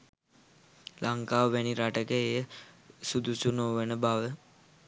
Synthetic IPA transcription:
lʔaŋkaːʋæniɾaʈəkəejəsud̪usunoʋənəbaʋə

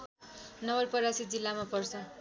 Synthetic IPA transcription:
nʌbʌrpʌɾasit̪̚d͡zilːamapʌrt͡sʰʌ

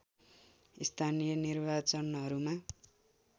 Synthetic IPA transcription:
ist̪ʰanijʌnirbat͡sʌnɦʌɾuma

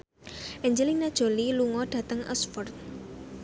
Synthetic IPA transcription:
ʔɛɲd͡ʒəlinad̥ʒ̥o̤liluŋɔɖ̥a̤t̪əŋʔə̰sfɔrt̪̚

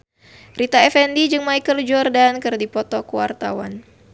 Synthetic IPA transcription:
rit̪aɛfɛndid͡ʒɨŋmajkəld͡ʒɔrdankɨrdipɔt̪ɔkuwa̰rt̪a̰wa̰n

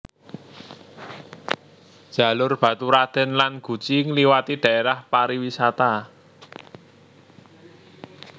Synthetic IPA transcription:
d̥ʒ̥a̤lʊrb̥ä̤t̪uɾad̪̥ɛ̤nlanɡ̥ṳt͡ʃiŋliwat̪iɖ̪̥ä̤eɾahpaɾiwisat̪a

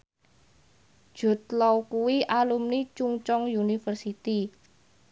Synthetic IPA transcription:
ʒ̥o̤t̪̚lɔwkuwiʔalumnit͡ʃuŋt͡ʃɔŋjunifərsit̪i

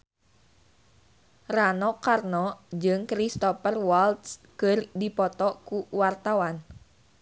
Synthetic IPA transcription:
ranɔkarnɔd͡ʒɨŋkɾist̪ɔpərwalt̪skɨrdipɔt̪ɔkuwart̪awan

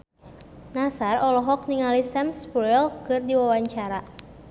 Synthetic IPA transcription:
nasarɔlɔɦɔk̚niŋalisɛmspɔjlkɨrdiwawaɲt͡ʃaɾa

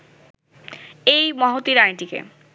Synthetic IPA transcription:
ejmɔɦot̪iɾajʈikḛ

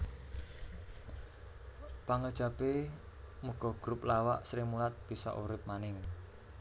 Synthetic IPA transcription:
paŋəd̥ʒ̥a̤pe | muɡ̥ɔ̤ɡ̥ɾup̚lawaʔsɾɪmulat̪̚b̥i̤sɔ̰ʔuɾɪp̚manɪŋ

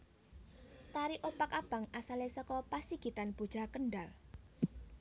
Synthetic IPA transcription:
t̪aɾiʔopakab̥a̤ŋasalesɔkɔpasiɡ̥it̪anb̥o̤d̥ʒ̥a̤kəɳɖal

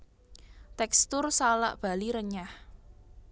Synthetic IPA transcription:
t̪ɛkst̪ʊrsala̰ʔb̥a̤liɾəɲah

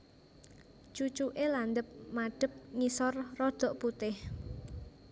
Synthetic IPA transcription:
t͡ʃut͡ʃuʔeland̪əp̚maɖ̥ə̤p̚ŋisɔrːɔd̪̥ɔ̤ʔput̪ɪh

